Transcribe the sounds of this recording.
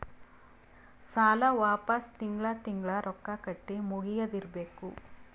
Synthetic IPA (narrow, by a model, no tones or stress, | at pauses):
saːlɐʋaːpɐst̪iŋɡɭɐt̪iŋɡɭɐɾʔɔkːakɐʈːimuɡijɐd̪iɾbeːku